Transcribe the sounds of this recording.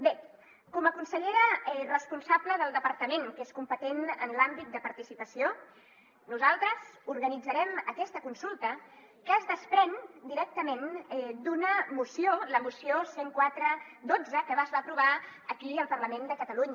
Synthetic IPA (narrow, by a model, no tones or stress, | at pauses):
be | kɔməkunsəʎeɾəɛrəspunsabləðəlˠd̪əpəɾt̪əmeŋkeskumpət̪enə̰nlambit̪̚d̪əpəɾt̪isipəsio | nuzalˠt̪ɾəzuɾɣənid͡zəɾɛməkɛst̪əkunsulˠt̪ə | kəːzðəspɾɛnd̪iɾɛk̚t̪əmenɛd̪unəmusioləmusioseŋkwat̪ɾəd̪od͡zəkəβazβapɾuβ̞aəkiəlˠpəɾləmend̪əkət̪əluɲə